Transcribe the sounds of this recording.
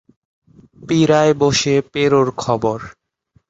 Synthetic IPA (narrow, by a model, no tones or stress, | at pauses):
piɾaeboʃepeɾoɾkʰɔboɾ